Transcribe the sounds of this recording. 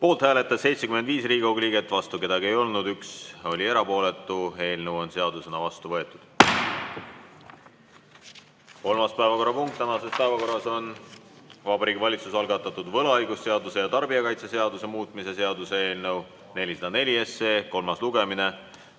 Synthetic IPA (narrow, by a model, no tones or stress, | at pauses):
po̞ːlt̪hæːle̞t̪ːˑɑsse̞jt̪sekymend̪viːsriːɡɑwɡliːɡe̞t̪ːˑvɑst̪uke̞d̪̥ɑɡie̞jo̞lnud̪ykso̞lʲie̞ɾɑpo̞ːle̞t̪ːˑue̞ːlnewo̞nse̞ɑd̪̥use̞nɑvɑst̪uvɤ̞et̪ːˑud̪̥ | ko̞lmɑspæevɑko̞rːɑpuŋk̚t̪ːænɑse̞spæevɑko̞rːɑso̞n | vɑbɑɾiːɡivɑlʲit̪susɑlɡɑt̪ːˑɑt̪ːˑud̪vɤ̞lɑɑjɡusse̞ɑd̪use̞jɑt̪ɑrbiɑkɑjt̪sese̞ɑd̪use̞muːt̪ːˑmise̞se̞ɑd̪use̞e̞ːlnəw | ne̞lʲised̪̥ɑne̞lʲie̞sːe̞ːko̞lmɑsluɡ̥e̞mine̞